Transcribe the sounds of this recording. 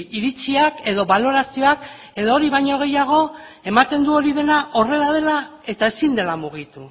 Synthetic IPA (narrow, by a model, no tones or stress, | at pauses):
iɾit͡siake̞ðo̞βalo̞ɾasio̞ak | e̞ðooɾiβajɲo̞ɣ̞e̞jaɣ̞o̞e̞mat̪e̞nd̪uo̞ɾiðe̞naʔo̞re̞lað̞e̞lae̞t̪ae̞sind̪e̞lamuɣ̞it̪u